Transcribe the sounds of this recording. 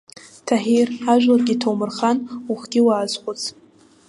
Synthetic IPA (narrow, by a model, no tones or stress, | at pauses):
tʰaħiraʒᶣlarɡʲitʰowmɨrχanuχɡ̥ʲɪwaːzqʷʼʊt͡sʰʼ